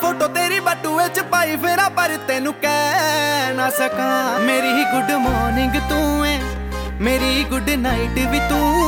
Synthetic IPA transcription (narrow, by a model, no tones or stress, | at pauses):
pʰoːʈoːt̪eːɾiːbəʈːuːʋet͡ʃpaːipʰeːɾaːpəɾɪt̪eːnũːkɛːnaːsəkaːmeːɾiːɡʊɖmɔːnɪŋɡt̪ũːɛ̃ː | meːɾiːɡʊɖnaːɪʈʋiːt̪ũː